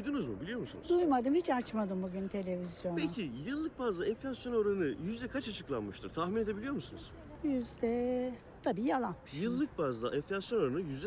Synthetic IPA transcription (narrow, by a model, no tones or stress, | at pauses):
ujd̪unuzmubilʲijo̞ɾmusunuzd̪ujmad̪ɯmhit͡ʃat͡ʃmad̪ɯmbuɟynt̪ʰe̞lʲe̞vizjo̞npʰecʰijɯlˠːɯk̚bazlˠaɛnflʲasjo̞noɾanɯjyzd̪ɛkʰat͡ʃat͡ʃʰɯklˠanmɯʃt̪ʰɯɾt̪ʰahmine̞d̪e̞bilʲijo̞ɾmusunɯz̥ | jyzd̪ɛ | t̪ʰabiːjalˠanmɯʃjɯlˠːɯk̚bazd̪ˠa̰ʔɛnflʲasjo̞noɾanɯjyzd̪ɛ